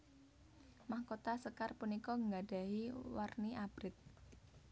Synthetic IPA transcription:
mahkot̪asəkarpunikɔŋɡaɖ̥a̤ɦiwarniʔab̥ɾɪk̪̚

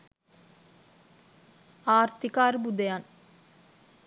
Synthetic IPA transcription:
aːɾt̪ikaːɾbud̪ejaːn

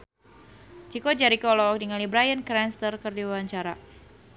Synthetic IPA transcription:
t͡ʃikod͡ʒaɾikɔlɔk̚diŋalibɾajənkɾɛnst̪ərkɨrdiwiwaɲt͡ʃaɾa

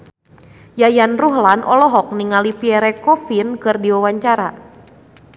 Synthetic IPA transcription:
jajanruɦlanʔɔlɔɦɔk̚niŋalipiɛɾɛkɔfinkɨrdiwawaɲt͡ʃaɾa

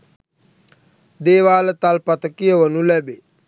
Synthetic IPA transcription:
d̪eːʋaːlət̪alpat̪əkijəʋənulɛbe

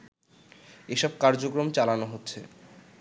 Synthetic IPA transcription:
eʃɔb̚kaɾd͡ʑokɾomt͡ɕalanoɦotːɕʰe

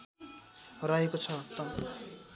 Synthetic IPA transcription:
ɾaɦekot͡sʰʌt̪ɔm

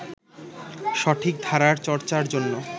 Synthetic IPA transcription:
ʃɔʈʰik̚d̪ʱaɾaɾt͡ɕɔɾt͡ɕaɾd͡ʑonːo

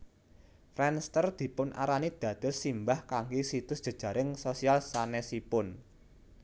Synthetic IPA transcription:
fɾɛnst̪ərd̪̥i̤pʊnʔa̰ɾanid̪̥ä̤d̪̥ʊ̤lsimbahkaŋɡisit̪ʊsd̥ʒ̥ə̤d̥ʒ̥ä̤ɾɪŋsosialsanɛsipʊn

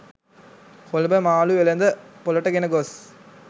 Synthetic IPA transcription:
kɔlbɐmaːluʋɛlɐnd̪ɐpɔlɐʈːɐkɛnɐɡos

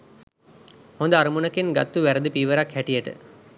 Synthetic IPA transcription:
hõnd̪əaɾumunəkenɡat̪ːuʋæɾəd̪əpiːʋəɾakhæʈijəʈə̰

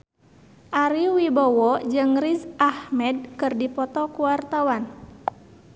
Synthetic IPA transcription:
ʔaɾiwibɔwɔd͡ʒɨŋrizʔahmɛd̚kɨrdipɔt̪ɔkuwart̪awan

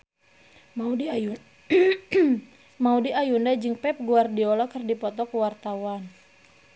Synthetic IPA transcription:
mau | maudiʔajundad͡ʒɨŋpɛp̚ɡuardiɔlɔkərdipɔt̪ɔkuwart̪awan

